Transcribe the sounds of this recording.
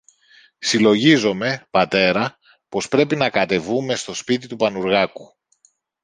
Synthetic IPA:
silo̞ʝizo̞me̞pɐt̪e̞ɾɐ | po̞spɾe̞pinɐkɐt̪e̞vume̞st̪o̞spit̪it̪upɐnuɾɣɐku

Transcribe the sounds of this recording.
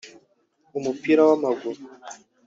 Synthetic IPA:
umupiɾawamaɡuɾu

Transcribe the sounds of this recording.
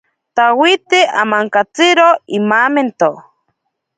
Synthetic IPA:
t̪awit̪eʔa̰maŋkat͡siɾoimaːment̪o

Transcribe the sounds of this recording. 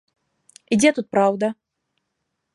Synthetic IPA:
id͡zʲɛt̪ut̪̚pɾawd̪ɐ

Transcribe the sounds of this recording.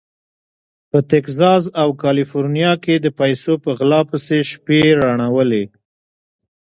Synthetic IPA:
pət̪ɪkzɑzawkɑlifoɾnijɑked̪əpajsopəɣlɑpəseʃpeɾaɳ̃awəle

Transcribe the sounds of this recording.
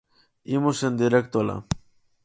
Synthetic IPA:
imosend̪iɾekt̪ola̰

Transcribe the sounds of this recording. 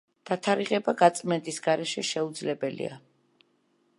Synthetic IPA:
d̪̥at̪ʰaɾiʁɛbaɡat̪sʼmɛnt̪ʼisɡaɾɛʃɛʃɛud̪zlɛbɛlḭa̰

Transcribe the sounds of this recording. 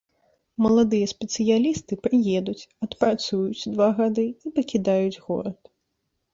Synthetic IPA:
mɐlˠad̪ɨjɐspʲɛt̪sɨjalʲist̪ɨpɾɨjɛd̪ut͡sʲɐt̪pɾat̪sujut͡sʲd̪vaɣad̪ɨipɐkʲid̪ajud͡zʲɣɔ̰ɾɐt̪

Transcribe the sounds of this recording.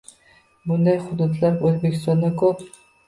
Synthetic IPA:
bʊnd̪ɑjχʊd̪ud̪laɾøzbekʲʰist̪ɔnd̪ɑkʰop

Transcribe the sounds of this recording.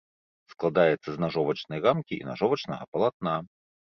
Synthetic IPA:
sklˠad̪ajɛt̪sːɐznaʐɔvɐt͡ʃnɐjɣamkʲiḭna̰ʐɔvɐt͡ʃnɐɣɐpɐlˠat̪̚na

